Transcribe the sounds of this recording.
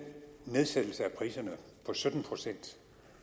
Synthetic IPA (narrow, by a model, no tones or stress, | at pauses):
ne̝ð̞ˠsed̥l̩səæpʰʁḭːsɐnə | pʰɒ̽sød̥n̩pʰʁo̝sen̰d̥